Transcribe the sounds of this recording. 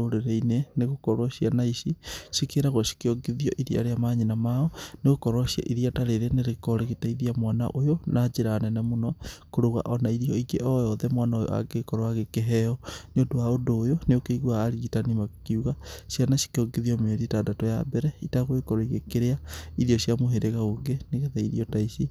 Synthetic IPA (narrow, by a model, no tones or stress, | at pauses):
oɾeɾɛineneɣokɔɾwaʃianaiʃiʃikeɾaɣoʃi̥keɔɡeðiɔʔiɾia̰ɾeamaɲinamaɔneɣokɔɾwaʃja̰ʔiðiataɾeɾeneɾekɔɾeɣetaiðiamwana̰ʔojonʔad͡ʒeɾanɛnɛmonɔkoɾoɣa̰ʔɔnaiɾijɔiɡeʔɔjɔðɛmwanaojo̰a̰ɡekɔɾoaɣekeɦɛɔneondoaondoːjoneokeiɣwaːɾiɣitanimakiuɣaʃjanaʃi̥keɔɡeðiɔmeoɾietadatɔja̰bɛɾɛitaɣoekɔɾɔiɣekeɾeaiðiɔɕjamoɦeɾeɣaoŋɡeneɣeðaiɾiɔtaiʃi